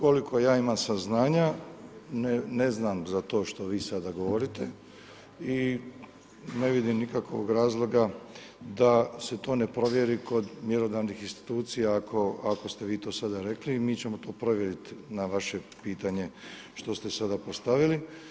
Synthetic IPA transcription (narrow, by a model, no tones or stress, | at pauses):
ko̞likʰo̞jaːimamsaznaːɲa | nene̞znamzat̪o̞ːʃt̪o̞ʋiːsad̪aɡo̞ʋo̞ɾit̪e | i | ne̞ʋid̪imnikakoo̰ɡɾaːzlˠo̞ɡa | d̪ase̞t̪o̞ːne̞pɾo̞ʋjeɾiko̞d̪mjeɾod̪aʋnixinst̪i̥t̪uːt̪sijakʰo̞ako̞st̪e̞ʋiːt̪oːsad̪aɾe̞kliːmiːt͡ɕe̞mo̞t̪o̞ːpɾo̞ʋje̞ɾit̪naʋaʃe̞piːt̪aɲe̞ | ʃt̪o̞st̪e̞sad̪apo̞st̪aʋili